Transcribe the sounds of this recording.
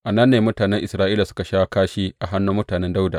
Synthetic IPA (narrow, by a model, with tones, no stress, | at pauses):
ʔa˨nɐ˦nːeː˨mʊ˦taː˨nɛ˦ŋʔɪ˨sɾaː˦ʔiː˦la˨sʊ̥˦ka˨ʃaː˦kaː˦ʃiː˦ʔa˨ɦa˦nːuː˦mʊ˦taː˨nɛ˦nda˦wda̰˨